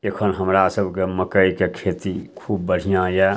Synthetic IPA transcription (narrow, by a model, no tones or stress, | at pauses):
ekʰonɦəmɾasəbkeməkəikekʰeːt̪ikʰuːb̚ːəɽ̤ijãːjɛː